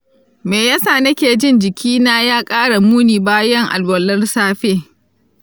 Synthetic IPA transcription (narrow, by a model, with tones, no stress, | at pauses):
meː˨ja˦saː˦˨nɐ˦kʲeː˨d͡ʒɪ˦nd͡ʒɪ˨kʲʰiː˦naː˦jaː˦kʼaː˦ɽa˨muː˦niː˨baː˦jɐ˦ŋʔa̰˨lwɐ˨lːɐ˦rsaː˦ɸeː˦